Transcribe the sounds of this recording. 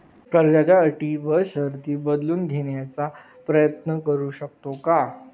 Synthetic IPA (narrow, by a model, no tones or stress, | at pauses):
kəɾd͡ʑat͡ɕjaəʈiʋəɕəɦɾt̪iːbəd̪luːnd̪ʱeɳjat͡sa | pɾəjət̪nəkəɾuːɕək̚t̪oka